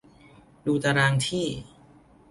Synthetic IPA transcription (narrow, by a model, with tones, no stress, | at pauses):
duː˧t̪a˧ɾaː˧ŋt̪ʰiː˥˩